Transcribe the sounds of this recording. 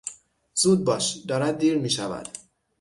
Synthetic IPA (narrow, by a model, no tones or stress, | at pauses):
z̥uːd̪̚bɒːʃd̪ɒːɾæd̪̚ːiːɾmiːʃævæ̰d̪̥